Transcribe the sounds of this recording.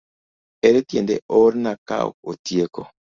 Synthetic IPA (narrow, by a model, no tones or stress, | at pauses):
eɾetjendɛ̰ʔoɾnaka̰o̰otjekɔ̰